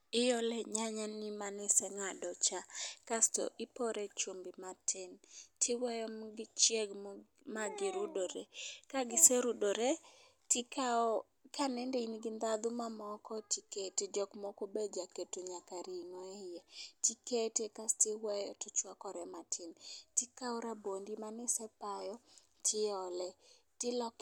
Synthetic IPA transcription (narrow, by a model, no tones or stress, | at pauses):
ɪjɔlɛɲaɲanimanɪsɛŋadɔt͡ʃakastɔ̰ʔɪpɔɾet͡ʃumbimatʰɪntʰɪwɛjɔmɡɪt͡ʃjeɡ | maɡɪɾudoɾekaɡɪseɾudoɾe | tɪka | kʰanɛndeinɡɪnd̪ad̪ʊmamɔkɔtiketed͡ʒɔkmɔkobed͡ʒaketuɲakaɾinɔejɛtiketekastɪwɛjɔtʊt͡ʃwakɔɾɛmatʰɪntɪkaɔɾabondimanɪsɛpajɔ | tʰɪɔlɛtɪlɔk